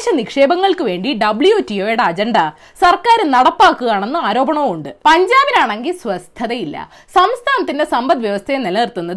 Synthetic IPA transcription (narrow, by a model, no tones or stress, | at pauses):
ɕɐnikʂe̞ːbɐŋːɐɭkɨʋe̞ːɳɖiɖɐbɭujoːtːioːjɽeɐd͡ʑɐɳɖɐ | sɐrkaːɾɨnɐɽɐpːaːkːuɣaːɳe̞nːɨaːɾo̞ːbɐɳɐuɳɖɨpɐɲd͡ʑaːbinaːɳe̞ŋɡilsʋɐst̪ʰːɐðɐjilːɐ̰ | sɐmst̪ʰaːnɐt̪ːinde̞sɐmbɐd̪ʋjɐʋɐst̪ʰɐjenelɐnirt̪ːunːɐðɨ